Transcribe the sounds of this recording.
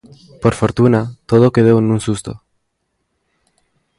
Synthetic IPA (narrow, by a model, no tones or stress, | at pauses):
poɾfoɾt̪unat̪oðokeð̞oenũnsust̪o̰